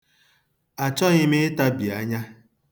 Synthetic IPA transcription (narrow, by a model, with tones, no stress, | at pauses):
a˨t͡ʃɔ˦ɲɪ˦mɪ˦ta˦bi˨a˦ɲa˦